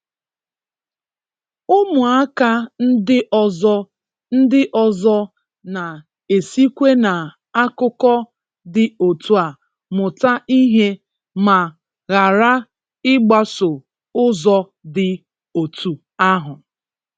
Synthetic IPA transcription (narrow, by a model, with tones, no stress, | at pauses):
ʊ˦mʊ˨a˦ka˦n̩˦dɪ˦ʔɔ˨zɔ˦ | n̩˦dɪ˦ʔɔ˨zɔ˦ | na˨ | e˨si˦kʷe˦na˨ | a˦kʊ˦kɔ˦ | dɪ˨o˨tʰu˦a˨ | mʊ˨ta˦i˦ɦe˦ | ma˨ | ɣa˨ɾa˦ | ɪ˦ɡ͡ba˦sʊ˨ | ʊ˦zɔ˦ | dɪ˨ | o˨tʰu˨ | a˦ɦʊ˨